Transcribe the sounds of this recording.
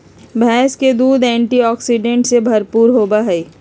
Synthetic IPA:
bʱɛːsked̪uːd̪ɛ̃ːɳʈiɔːksiɖẽɳʈsebʱɐɾpuːɾɦoːbaɦɛiː

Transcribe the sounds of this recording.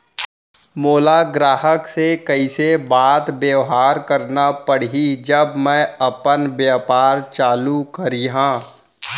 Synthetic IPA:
moːlaɡɾaːɦəksekɐisebaːt̪bjeːɦaːɾkɐɾnapəɽ̤id͡ʒəbmɛ̃ɐpənbjaːpaːɾt͡ʃaːlukɐɾiɦãː

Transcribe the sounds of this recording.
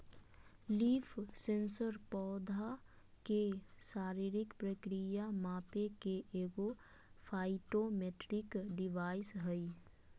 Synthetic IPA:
liːpʰsẽnsəɾpɔːd̪ʱa | kesaːɾiɾɪkpɾəkɾijamaːpekeʔeːɡo | pʰaːɪʈomeʈɾɪkɖɪʋaːɪsɦɛi

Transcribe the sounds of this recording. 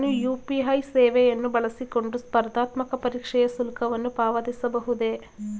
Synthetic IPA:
nujuːpiɦɐjseːʋɛjɐnːubɐɭɐsiko̞ɳɖuspɐɾd̪aːt̪mɐkɐpɐɾiːkʂɛjɐsulkʰɐʋɐnːupaːʋɐd̪isɐbɐɦud̪e̞

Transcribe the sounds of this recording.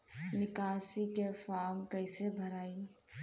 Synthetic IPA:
nɪkaːsikefaːɾmkəɪsebʱəɾaːi

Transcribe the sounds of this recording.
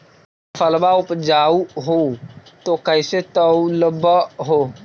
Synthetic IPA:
fʰəlbaʊpd͡ʒaːuɦot̪okəɪset̪əuləbəɦoː

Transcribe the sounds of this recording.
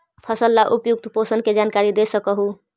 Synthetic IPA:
pʰəsəlːaʔupjuk̚t̪posənked͡ʒankaɾid̪esəkəɦu

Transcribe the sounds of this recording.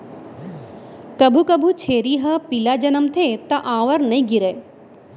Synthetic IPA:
kɐbʱukɐbʱut͡ʃʰeːɾiɦɐpilad͡ʒɐnəmt̪ʰeːt̪ɐʔãːʋəɾnɐĩɡiɾeː

